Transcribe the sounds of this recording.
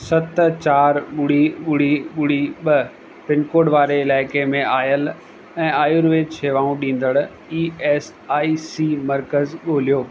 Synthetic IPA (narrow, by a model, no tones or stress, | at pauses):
sɐt̪t͡ɕaːɾɓʊɽiɓʊɽ̤iɓʊɽ̤iɓɐ | pɪnkoːɖʋaːɾeɪlaːɪkemẽaːjəl | ɛ̃ːaːjuɾʋeːt͡ɕʰeːʋaːũɗĩːn̆d̪əɽ | iːɛːs | aːisiːmɐɾkəzɠoːl̤ijoː